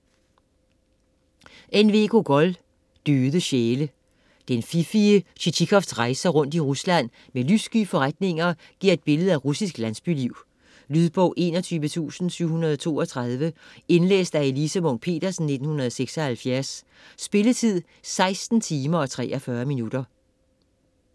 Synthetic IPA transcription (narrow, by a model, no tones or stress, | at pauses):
ʔenʋe̝̰ɡʰo̝ɡ̥ɒ̽l | d̥øːðˠəɕeːlə | d̥enfifiəɕit͡ɕʰikʰɒ̽fd̥sʁɑ̈ɪsɐʁɔ̽n̰d̥iʁuslæn̰ | melysɡ̥y̰ːfɒ̽ʁad̥ne̝ŋɐ | ɡ̥iɐ̰e̝d̥̚b̥e̝ləð̞̩ˠæʁusisɡ̥lænsb̥yliʊ̰ | lyðˠb̥ɔ̰ʊ̰ʔe̝̰nɒt͡sʰyːʋət͡sʰṵːsn̩syʊ̰hunɐðˠɒt͡sʰo̝̰ːɒ̽t͡sʰʁɑð̞ˠʋəe̝nlḛːsd̥æe̝lisəmɔ̽npʰe̝̰ːd̥ɐsn̩ːe̝d̥n̩hunɐðˠɒ̽seɡ̥sɒhælfjæɐsː | b̥e̝lət͡sʰið̞̰ˠ | sɑ̈ɪsd̥n̩t͡sʰiːmɐɒ̽t͡sʰʁɛ̰ːʔɒfɶːɐminud̥ɐ